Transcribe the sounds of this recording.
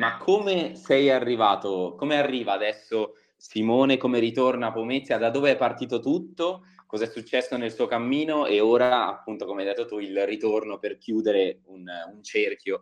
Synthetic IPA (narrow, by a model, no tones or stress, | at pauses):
makʰːomesɛjarːivaːt̪okomearːiːvaːd̪ɛsːo | simoːnekomeɾit̪ornapomet̪sːjad̪ad̪ːoːveɛpːart̪iːt̪ot̪ut̪ːokɔzaɛsːut͡ʃːɛsːonelsuːokamːiːnoeoːɾaaa̰pːunt̪okomeajd̪et̪ːot̪uilrit̪ornoperkjuːd̪eɾeununt͡ʃerkjo